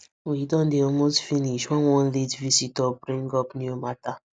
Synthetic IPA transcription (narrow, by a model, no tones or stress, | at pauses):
widɔ̃ndeɔlmostfiniʃwɛ̃nwɔ̃nletvisitɔbɾĩŋɡɔpnjumata